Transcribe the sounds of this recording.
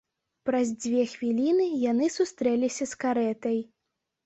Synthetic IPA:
pɾɐzd͡zʲvʲɛxvʲilʲinɨjanɨsust̪ɾɛlʲisʲɐskaɾɛt̪ɐj

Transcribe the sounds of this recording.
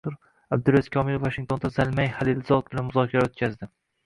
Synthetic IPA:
ʊɾ | ab̚d̪ʊɾazi̥kʲʰɒmɪɾvːaʃɪŋt̪ʰo̞nd̪azalˠmajhalɪlzɒt̪̚bɪlanmʊzɒkʲʰaɾaot̪̚kʲʰazd̪ɪ

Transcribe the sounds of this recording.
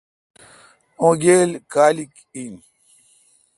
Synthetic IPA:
õːɡeːlkaːlik | in

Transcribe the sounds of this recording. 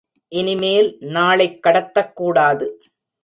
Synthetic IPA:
ʔɪnɪmeːlnaːɭɐɪkːɐɽɐt̪ːɐkːuːɽaːðɯ

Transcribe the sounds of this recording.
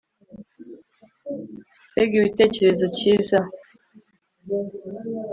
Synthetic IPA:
eɡiwitet͡ʃeɾezət͡ʃisa

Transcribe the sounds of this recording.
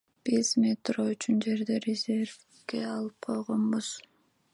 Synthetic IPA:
b̥izmʲet̪royt͡ʃynd͡ʒe̞ɾd̪eɾʲezʲe̞rf | ɡe̞ɑlˠɯp̚qʰo̞jʁonbuz̥

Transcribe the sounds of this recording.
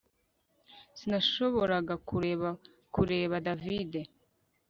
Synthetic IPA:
sinaʃo̞βo̞ɾaɡauɾβa | kuɾe̞ːβadavide̞

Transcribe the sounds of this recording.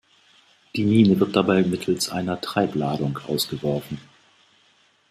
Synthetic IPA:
d̥iːmiːnəvɪɐt̚d̥abaɪmɪtʰl̩sʔa̰ɪnɐtʁ̥aɪplaːdʊŋkʔa̰ʊsɡ̥əvɔɐfn̩

